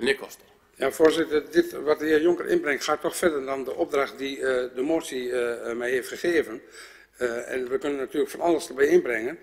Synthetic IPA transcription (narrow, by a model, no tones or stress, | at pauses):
nɪkʰɔst | jafoəzɪtərdɪtʋɔtəhiəjɔŋkərʔɪ̰nbrɛŋktxaːtːɔxfɛrdədɔndəʔɔb̚draxt̚didəmoːtsimɛjheftxəxeːvən | ɛ̰nʋəkønənːatyːələkfɔnalˠəsdərbɛjɪnbrɛŋən